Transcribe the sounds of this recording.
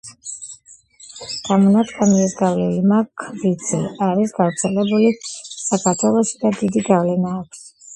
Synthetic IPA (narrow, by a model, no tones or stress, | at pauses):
d̪̥ʰamɔnat̪ʰkʰamiɛsɡavlɛlimakʰvid̪sʰɛaɾisɡ̥avɾt̪sʰɛlɛbulisakʰaɾt̪ʰwɛlˠɔʃid̪ad̪id̪iɡavlɛnaːkʰʷs